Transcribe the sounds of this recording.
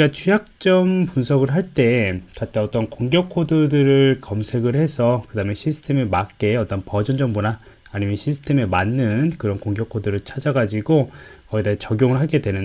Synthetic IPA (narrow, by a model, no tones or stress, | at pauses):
ɡat͡ɕʰujak̚t͡ɕ͈ʌmpunsʰʌɡɯɭɦaɭt͈e̞kat͈ʰeʌt͈ʌnkoŋɡjʌkʰːodɯdɯɾɯɭkʌmsʰe̞ɡɯɭhe̞sʰʌkɯdameɕʰisʰɯ̥tʰe̞memak͈e̞ʌt͈ʌnpʌd͡ʑʌnd͡ʑʌmbonaː | ɲimjʌnɕʰisʰɯ̥tʰe̞memanːɯnkɯɾʌnkoŋɡjʌkʰːodɯɾɯɭt͡ɕʰad͡ʑaɡad͡ʑiɡokʌɡidat͡ɕʌɡjoŋɯɭɦaɭɡe̞dwe̞nɯn